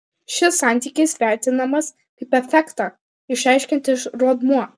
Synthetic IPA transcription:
ʃʲɪsːɑˑnʲt̪ʲiːkʲɪsʋʲæːt̪ʲɪnɐmɐs | kɐɪpɛfʲɛkt̪ɑː | ɪʃæˑɪʃʲkʲɛnt̪ɪʃɾuɔd̪muɔ

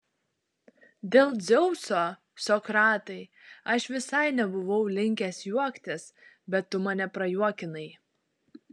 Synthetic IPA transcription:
d̪ʲeːlˠd̪zʲɛʊsoː | sɔkɾɑːt̪ɐɪɐʃʋʲɪsɐɪnʲɛbʊʋɐʊlʲɪŋʲkʲɛsjuɔkt̪ʲɪs | bʲɛt̪ːʊmɐnʲɛpɾɐjuɔkʲɪnɐɪ

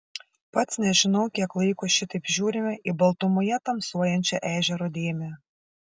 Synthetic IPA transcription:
pɐt̪snʲɛʒʲɪnɐʊkʲiɛklˠɐɪkoːʃʲɪt̪ɐɪpʒʲuːɾʲɪmʲɛʔɪbɐlˠt̪ʊmʊjɛt̪ɐmsuɔjɛnʲt͡ʃʲɛʔæːʒʲɛɾod̪ʲeːmʲɛ

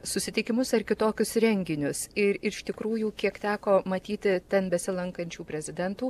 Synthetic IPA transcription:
sʊsʲɪt̪ʲɪkʲɪmʊsɐrkʲɪt̪oːkʲʊsɾʲɛŋʲɡʲɪnʲʊsɪɾɪʃt̪ʲɪkɾuːjuːkʲiɛkt̪ʲæːkoːmɐt̪ʲiːt̪ʲɪt̪ʲɛnbʲɛsʲɪlˠɐŋkɐnʲt͡ʃʲuːpʲɾʲɛzʲɪd̪ʲɛnt̪uː

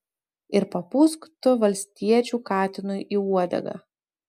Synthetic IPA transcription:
ɪɾpɐpuːskt̪ʊʋɐlʲsʲt̪ʲiɛt͡ʃʲuːkɑːt̪ʲɪnʊjʔiːuɔd̪ʲɛ̰ɡɑ̰

